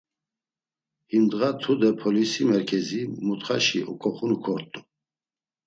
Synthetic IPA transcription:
himd̪ʁat̪ʰud̪ɛpʰɔlisimɛɾkʰɛzimut̪χaʃḭʔɔ̰kʼɔχunukʰɔɾt̪ʼu̥

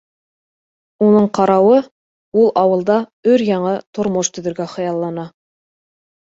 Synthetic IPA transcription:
unɤɴqɑɾɑwɤ | ulˠɑwɤ̆lˠd̪ɑɵɾjɑɴɤt̪ŏɾmoʃt̪ɵ̆ðɵ̆ɾɡæχɤ̆jɑlˠːɑnɑ

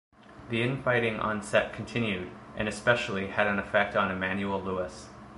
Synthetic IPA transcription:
ðiɨ̃nfaɪɾɪ̃ŋʔɑ̰̃nsɛt̚kʰn̩tʰɪ̃njʉɾ | ʔɨ̰̃ñɨspɛʃl̩ˠiɨɾɨ̃nɨfɛk̚tn̩ɨmæ̃njul̩ˠluəs

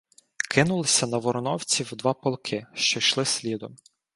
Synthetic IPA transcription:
kʰɪnʊlˠɪsʲɐnɐʋɔɾnɔwt͡sʲiwd̪ʋɑpɔlˠkʰɪʃt͡ʃɔʃlˠɪsʲlʲid̪ɔm

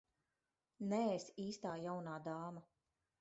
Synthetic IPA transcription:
nɛesiːst̪aːjawnaːd̪aːma

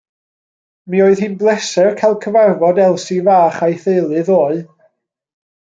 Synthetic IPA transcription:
mioːɨðhɨnblˠɛsɛrkʰajlˠkʰəvarvɔdɛlˠsivaːχajθeɨlˠɨðoːɨ

